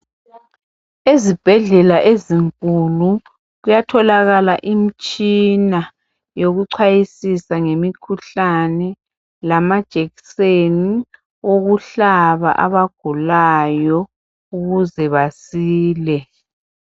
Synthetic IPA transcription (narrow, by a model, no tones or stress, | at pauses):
ezib̥ʱɛɮɛlaʔeziŋkʼulu | ɣujatʰɔlaɣalaʔimit͡ʃʼina | joɣuǀʰajisisaŋemikʰuɬanɛ | lamad̥ʒ̥ʱeɣiseni | oɣuɬaβa̰ʔaβaɡ̥ʱulajɔ | uɣuzɛβasiːlɛ